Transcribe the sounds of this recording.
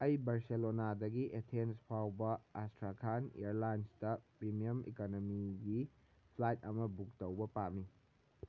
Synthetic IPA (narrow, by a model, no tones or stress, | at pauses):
ɐjbaɾselonadɐɡiʔetʰenspʰawbɐastɾakʰanḭɾlajnstɐpɾimijɐmḭkonomiɡi | pʰlajt̚ɐmɐbuk̚tɐwbɐpami